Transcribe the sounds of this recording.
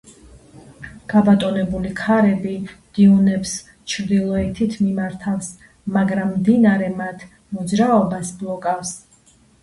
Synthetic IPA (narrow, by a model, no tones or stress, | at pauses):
ɡ̥abat̪ʼɔnɛbulikʰaɾɛbid̪̥iunɛps | t͡ʃʰɾd̪ilˠɔɛt̪ʰit̪ʰmimaɾt̪ʰafs | maɡɾamːd̪inaɾɛmat̪ʰ | mɔd̪zɾaɔbasblˠɔkʼafs